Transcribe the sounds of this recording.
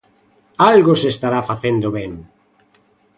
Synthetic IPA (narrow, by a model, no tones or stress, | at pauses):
alɣosest̪aɾafaθend̪oβɛŋ